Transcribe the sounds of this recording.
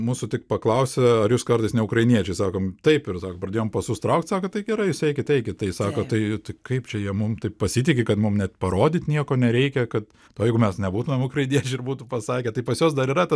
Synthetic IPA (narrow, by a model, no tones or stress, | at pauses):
muːsʊt̪ʲɪk̚pɐklˠɐʊsʲɛɐɾjuːskɐrt̪ɐɪsnʲɛʊkɾɐɪnʲiɛt͡ʃʲɛɪsɑːkoːmt̪ɐɪpɪɾsɑːkoːpɾɐdʲeːjoɔmpɐsʊst̪ɾɐʊkt̪sɑːkoːt̪ɐɪɡʲɛɾɐɪjʊsɛɪkʲɪt̪ʲɛɪkʲɪt̪t̪ɐɪsɑːkoːt̪ɐɪt̪ɐɪkɐɪpt͡ʃʲɛjiɛmʊmt̪ɐɪppɐsʲit̪ʲɪkʲɪkɐt̪mʊmnʲɛt̪pɐɾoːd̪ʲɪt̪ʲnʲiɛkoːnʲɛɾʲɛɪkʲɛkɐt̪ | oːjɛɪɡʊmʲɛsnʲɛbuːt̪ʊmʲɛmʊkrɐɪnʲiɛt͡ʃʲɪɪɾbuːt̪ʊpɐsɑːkʲɛːt̪ɐɪpɐsjoːs̬d̪ɐɾiːɾɐt̪ɐ